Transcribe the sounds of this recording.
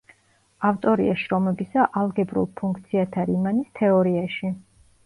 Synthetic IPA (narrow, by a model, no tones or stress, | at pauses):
aft̪ʼɔɾḭaʃɾɔmɛbisaʔalˠɡɛbɾṵlˠpʰũŋk̚ʰt̪sʰiat̪ʰaɾimanist̪ʰɛɔɾiaʃi